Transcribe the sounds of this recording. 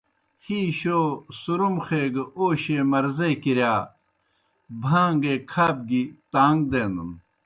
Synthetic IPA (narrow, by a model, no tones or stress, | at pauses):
hiːɕosuɾumxeːɡɐoːɕeːmɐɾzekiɾjaː | bʱaːŋɡeːkʰaːb̚ɡit̪aːŋɡd̪eːnd̪un